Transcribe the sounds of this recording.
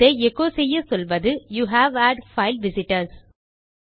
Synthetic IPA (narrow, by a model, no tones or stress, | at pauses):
eːɛkːoːsɛjːɐsɔlʋɐðɯjuːɦæʋæːɖfɐɪlʋɪsɪʈɐɾs